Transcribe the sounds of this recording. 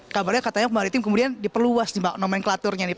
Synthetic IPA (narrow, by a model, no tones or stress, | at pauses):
kabarɲakat̪aɲakumaɾit̪ɪmkəmudiandipərluasdibanomɛnklat̪ʊrɲadi